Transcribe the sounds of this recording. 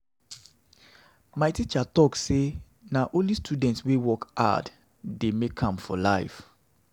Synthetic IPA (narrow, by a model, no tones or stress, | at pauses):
maɪtit͡ʃatɔkse | naʔõnlistʰudɛ̃ntswewɔka̰d | demekʰãmfɔlaɪf